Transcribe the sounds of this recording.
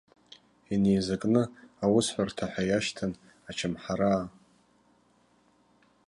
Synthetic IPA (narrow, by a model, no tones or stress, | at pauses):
inejzakʼnɨawʊsħʷartʰaħʷᶣajaʃtʰan | at͡ʃʰamħaɾaː